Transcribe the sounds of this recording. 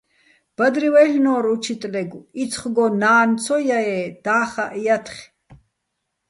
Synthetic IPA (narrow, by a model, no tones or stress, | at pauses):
b̥ad̪ɾiwɛɬnɔːɾut͡ʃʰit̪ʼlɛɡuit͡sʰχɡɔnaːnt͡sʰɔjaɛːd̪̥aːχaʔjat̪ʰχ